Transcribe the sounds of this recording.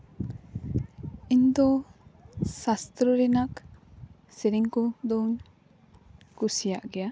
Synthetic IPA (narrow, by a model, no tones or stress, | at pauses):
ind̪ɔ | sast̪ɾɔɾinak | seɾiŋkɔd̪ɔŋ | kusijaʔɡɛja